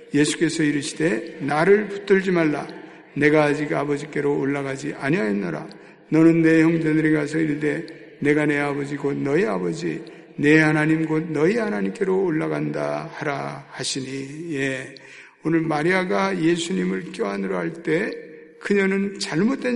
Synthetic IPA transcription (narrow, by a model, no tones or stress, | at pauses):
je̞sʰu̥k͈e̞sʰʌiɾɯɕʰi̥d̥e̞naɾɯɭpu̥t͈ɯɭd͡ʑimaɭːa | ne̞ɡad͡ʑiɡabʌd͡ʑik͈e̞ɾoːɭːaɡad͡ʑiʔaɲiajʌnːaɾa̰ | nʌnɯnːe̞çjʌŋd͡ʑedɯɾiɡas̬ʰʌiɭde̞ | ne̞ɡane̞abʌd͡ʑiɡotnʌiabʌd͡ʑi | ne̞hanaɲimɡot̚nʌihanaɲimk͈e̞ɾoːɭːaɡandahaɾahaɕʰiɲije̞ | onɯɭmaɾiaɡaje̞sʰuɲimɯɭk͈joɦanɯɾʌhaɭt͈e̞ | kɯɲʌnɯnt͡ɕaɭmot͈we